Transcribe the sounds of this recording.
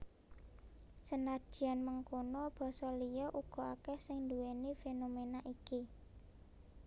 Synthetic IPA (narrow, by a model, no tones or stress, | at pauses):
sənḁdʒ̥i̤anməŋkonɔb̥ɔ̤sɔlijɔʔuɡ̥ɔ̤akɛhsɪŋnd̪uwenefenomenaʔiki